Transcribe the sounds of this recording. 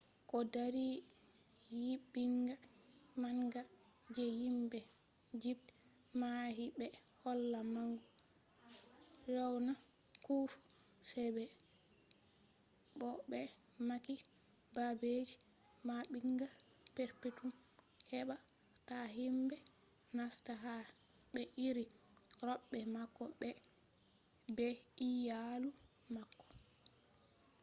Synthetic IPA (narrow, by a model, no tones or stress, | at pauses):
kɔdaɾi | jiɓːiŋɡa | maŋɡa | d͡ʒɛjimbɛ | d͡ʒib | maɦibɛ | hɔlːamaŋɡu | ɾawna | kufu̥ | sɛbɛ | ɓɔɓɛ | maki | babed͡ʒi | maɓiŋɡa | pɛɾpetum | hɛɓa | taɦimbɛ | nastaɦa | ɓɛʔiɾi | ɾɔɓːɛmakːɔɓɛ | bɛijalu | makːɔ̥